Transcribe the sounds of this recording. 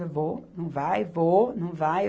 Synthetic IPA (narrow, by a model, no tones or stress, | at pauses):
ɐvonɐ̃w̃vajvonɐ̃w̃vaj